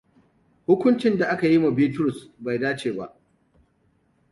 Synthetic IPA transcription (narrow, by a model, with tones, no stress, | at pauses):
hʊ˦kʷʊ˦nt͡ʃɪ˦nda˨ʔa˦ka˨ji˦ma˨biː˦tʊ˦ɾʊ˨sba˨jdaː˦t͡ʃeː˨ba˦ʔ